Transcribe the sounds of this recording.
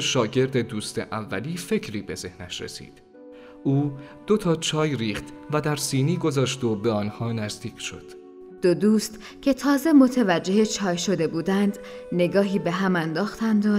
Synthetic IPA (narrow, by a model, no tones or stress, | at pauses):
ʃɒːɟe̞ɾd̪e̞d̪uːst̪e̞̰ʔævːæliːfe̞cʰɾiːbe̞ze̞̰hnæʃɾḛsḭːd̪̥ | ʔuː | d̪̥o̞t̪ʰɒːt͡ʃʰɒːjɾiːχt̪væd̪æɾsiːniːɡo̞zɒːʃt̪obeɒːnhɒːnæzd̪iːcʰʃo̞̰d̪̥ | d̪̥od̪uːst̪ | cʰe̞t̪ʰɒːze̞mo̞t̪ʰevæd͡ʒːe̞het͡ʃʰɒːjʃo̞d̪e̞buːd̪ænd̪ne̞ɡɒːɦiːbe̞ɦæmænd̪ɒːxt̪ænd̪o